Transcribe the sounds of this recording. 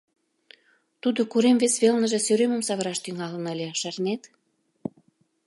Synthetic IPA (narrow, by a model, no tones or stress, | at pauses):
t̪ud̪okuɾemvesβelnə̆ʒĕsøɾemə̆msɑβəɾɑʃt̪yŋɑlə̆nəlʲeʃɑrnet̪